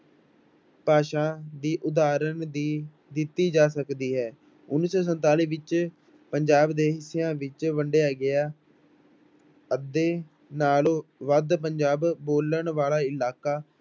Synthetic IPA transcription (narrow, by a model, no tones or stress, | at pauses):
paːʃãːd̪iːʔʊd̪aːɾənd̪iː | d̪ɪt̪ːiːd͡ʒaːsəkd̪iːɦɛː | ʊnːɪsɔːs̬ənt̪aːliːʋɪt͡ʃ | pəɲd͡ʒaːbd̪eːɦɪsejãːʋɪt͡ʃʋəɳɖejaːɡɪaː | əd̪eː | naːlõːʋəd̪p̬əɲd͡ʒaːbːoːləɳʋaːlaːɪlaːkaː